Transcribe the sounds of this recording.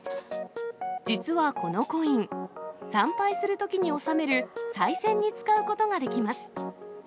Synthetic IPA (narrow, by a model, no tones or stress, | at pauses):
d͡ʑit͡sɨβako̞no̞ko̞ĩŋsãmpaisɨɾɯ̟t̪o̞kʲiɲ̟io̞same̞ɾɯ̟saisẽ̞ɲ̟ːit͡sɨ̥kaɯ̟ko̞t̪o̞ɡad̪e̞kʲimasɨ̥